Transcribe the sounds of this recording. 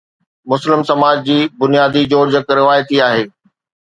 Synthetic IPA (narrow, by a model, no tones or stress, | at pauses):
mʊslɪmsɐmaːd͡ʑd͡ʑiːbʊnijaːd̪id͡ʑoːɽd͡ʑɐkɾɪʋaːjət̪iaːɦeː